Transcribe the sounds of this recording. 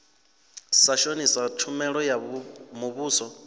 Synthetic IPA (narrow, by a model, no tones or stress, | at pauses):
saʃonisat͡ʃʰumɛɺɔjamuβuːsɔ